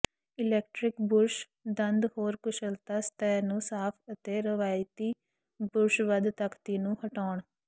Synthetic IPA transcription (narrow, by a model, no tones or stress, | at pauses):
ɪlɛːk̚ʈɾɪkbʊɾʃ | d̪ənd̪hoːɾkʊʃəlt̪aːst̪ɛːnũːsaːpʰət̪eːɾəʋaːjt̪iː | bʊɾʃʋəd̪t̪əkt̪iːnũːhəʈaːɳ